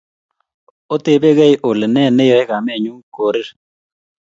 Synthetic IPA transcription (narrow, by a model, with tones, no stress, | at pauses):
o˦t̪e˨be˦ɡɛ˦jʔo˨le˨nɛ˦˨ne˦jɔ˨ɛ˦ka˨mɛ˦˨ɲu˦ko˨ɾɪ˦ɾ